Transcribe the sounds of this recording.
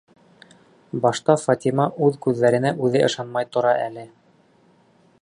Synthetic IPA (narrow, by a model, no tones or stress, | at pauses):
bɑʃt̪ɑfɑt̪ʲimɑʔʉðkʉðːæɾɘ̆næʔʉðɘʔɤ̆ʃɑnmɑjt̪ŏɾɑʔælɘ